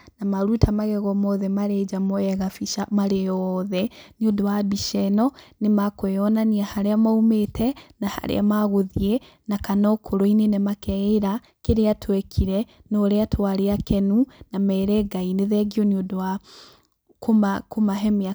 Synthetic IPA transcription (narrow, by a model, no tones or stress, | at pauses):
namaɾutʰamaɣɛɣɔmɔðɛmaɾɛd͡ʒamɔɛɣafiʃamaɾejɔðɛniodowabiʃɛnɔnemakoɔnaniahaɾeamaumetʰɛnaha̰ɾḛa̰maɣoðie | nakanɔkʰoɾoinenɛmakɛeɾa | keɾeatʰwɛkʰiɾɛnoːɾeatʰwaɾeakɛnunamɛːɾɛɡaineðɛɡiɔniodowa | komakomaɦɛmea